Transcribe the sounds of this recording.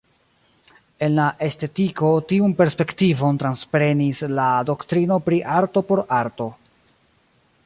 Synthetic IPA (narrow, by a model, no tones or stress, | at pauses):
e̞nlaʔe̞ste̞tiko̞tiunpe̞ɾspe̞ktivo̞ntɾanspɾe̞nislado̞ktɾino̞pɾiʔaɾto̞po̞ɾaɾto̞